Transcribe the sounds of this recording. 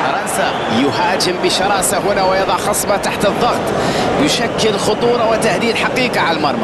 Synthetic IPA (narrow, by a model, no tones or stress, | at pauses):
fɑɾˤɑnsa | jʊhæːd͡ʒəmbiʃɑɾˤɑʔsaɦʊnawjɑd̪ˤɑʕxɑsˤbɑt̪aħt̪əðˤːɑɣt̪ˤ | jʊʃækːəlxot̪ˤuːɾˤɑwɪt̪ahd̪iːd̪ħɑqiːqɑʕaləlmɑɾˤmɑ